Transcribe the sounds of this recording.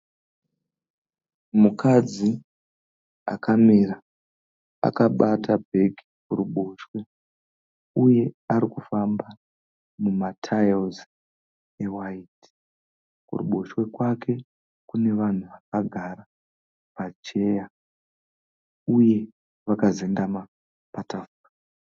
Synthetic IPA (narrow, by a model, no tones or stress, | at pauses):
mukʰad͡zi | a̰kʰamiɾa | a̰kaɓatabʱe̞ɡʱikuɾuɓo̞ʃwe̞ | uje̞aɾikufamba | mumatʰajozi | ewaiːti̥ | kṵrṵɓo̞ʃwe̞kwake̞ | kune̞ʋan̤uʋakaɡʱaɾa | pat͡ʃe̞ja | uje̞ | ʋakaze̞ndama | patafura